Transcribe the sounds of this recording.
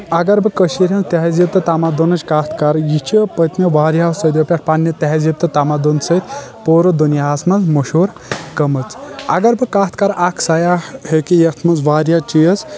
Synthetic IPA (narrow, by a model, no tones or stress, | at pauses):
ɐɡɐɾbɨkəʃiɾʲɐnt̪eɦɐzib̚t̪ɨt̪amad̪onɐt͡ʃkaːt̪ʰkaɾjit͡ʃʰipət̪ʲnɐʋaːɾjasɐd̪ʲopʲaʈʰpaːnjɐt̪eɦɐzib̚t̪ɨt̪amad̪onsɐt̪ʰʲpoːɾod̪unjaːsmɐnzmoʃoːɾ | kɐmɨt͡sɐ̰ɡɐɾbɨkaːt̪ʰkaɾʔakʰsajahekijɐkt̪ʰmɐnzʋaːɾjat͡ʃijəs